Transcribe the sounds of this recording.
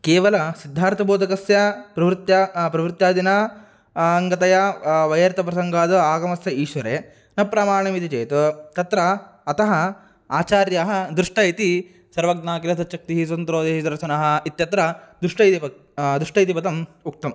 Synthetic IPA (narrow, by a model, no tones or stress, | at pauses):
keːʋɐlɐsid̪ʱːaːɾt̪ʰɐboːd̪ʱɐkɐsjɐpɾɐʋɾɪt̪jɐpɾɐʋɾɪt̪jaːd̪inaː | ɐŋɡɐt̪ɐjɐʋɐjɐɾt̪ɐpɾɐsɐŋɡaːd̪ɐaːɡɐmɐsjɐiːʃʋɐɾeː | nɐpɾaːmaːɾɳɐmit̪it͡ʃeːt̪ut̪ɐt̪ɾɐː | t̪ɐɦɐ | aːt͡ʃaːɾjaɦɐ̆d̪ɾuʂʈɐjit̪i | sɐɾʋɐɡnaːkiɾɐsɐt̪ːʃɐk̚t̪iɦis̬ɐnt̪ɾoːd̪eːʃɐd̪ɐɾʃɐnɐɦɐ̆it̪jɐt̪ɾɐd̪ɾuʂʈɐjt̪ipɐ | d̪ɾuʂʈɐjt̪ipɐt̪ɐmuk̚t̪ɐm